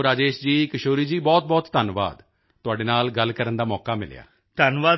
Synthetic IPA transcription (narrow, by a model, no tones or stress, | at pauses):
ɾaːd͡ʒeːʃd͡ʒiːkəʃoːɾiːd͡ʒiːbɔːt̪̚bɔːt̪ːənʋa̰ːd̪ | t̪ʊaːɖeːnaːlɡəlkəɾənd̪aːmɔːkaːmɪ̰lja̰ː | t̪ənʋaː